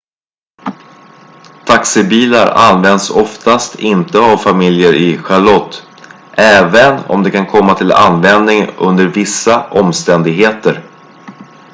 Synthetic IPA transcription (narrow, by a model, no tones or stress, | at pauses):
t̪ʰaksɪbiːlaɾa̰nvɛnd̪sɔft̪ast̪ʰɪnt̪əavfamɪljəɾʔɪɧaɭɔt̪ː | ʔɛːvənɔ̰md̪ɛkʰankʰɔmːat̪ʰɪla̰nːvɛnd̪nɪŋɵ̰nd̪əɾvɪsːaʔɔmst̪ɛnd̪ɪɡɦeːt̪əɾ